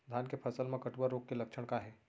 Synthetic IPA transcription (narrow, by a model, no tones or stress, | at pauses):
d̪ʱaːnkepʰəsəlmãkəʈbəɾoɡ̚keləkʃʰəɽ̃kaɦɛː